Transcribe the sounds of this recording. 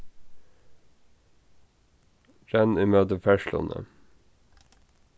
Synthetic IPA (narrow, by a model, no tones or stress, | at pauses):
ɾɛniːmøːt̪əfæʃlʊ̰nʔə̰